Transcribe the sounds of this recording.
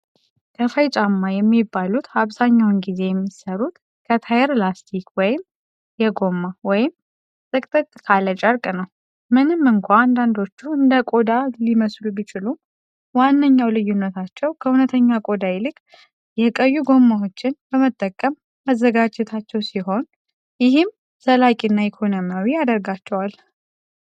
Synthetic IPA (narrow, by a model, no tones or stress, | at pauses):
kʰəfəjt͡ʃʼamːajɛmːibːalut̪aβzaɲːawnɡize̞jɛmːisəɾut̪ | kʰət̪ʰajɾlast̪ʰikwɔjɪm | jɛɡo̞mːawɔjɪm | t̪ʼɨkʼt̪ʼɨk̪ʼːkʰalət͡ʃʼəɾkʼnəw | mɨnɨmːɨŋkʷaand̪and̪o̞t͡ʃːuɨnd̪əkʼo̞d̪aliməslubit͡ʃɪlu | wanːəɲːawlɨjːunːət̪ʰat͡ʃːɛwkʰəunət̪ʰəɲːakʼo̞d̪ajlɨkʼ | jɛkʼəjːuɡo̞mːawo̞t͡ʃːɪnb̥əmət̪ʼːəkʼːəmːəzːəɡad͡ʒɛt̪ʰat͡ʃːɛwsiɦo̞n | jɪhɪm | səlakʼinːaikʰo̞nomjawiad̪əɾɡat͡ʃːɛwal